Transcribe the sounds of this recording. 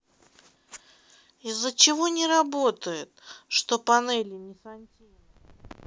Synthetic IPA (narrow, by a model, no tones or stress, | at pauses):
ɪzːət͡ɕɪvo̞nʲɪɾɐbo̞t̪əjɪt̪ʂt̪o̞pɐnɛlʲɪnʲɪsɐnʲtʲinʲ